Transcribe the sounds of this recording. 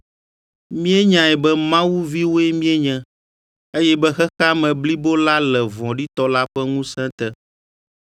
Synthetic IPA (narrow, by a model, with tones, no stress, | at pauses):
mĩ˦ɛ˦ɲã˨ɛ˨bɛ˦mã˦wu˦vi˦wo˦ɛ˦mĩ˦ɛ˦ɲɛ̃˦ | e˦jɛ˦bɛ˦xɛ˦xa˦mɛ̃˨bli˦bo˦la˦lɛ˨vɔ̃˨ɖi˦t̪ɔ˦la˦ɸɛ˦ŋũ˦sɛ̃˦t̪ɛ˦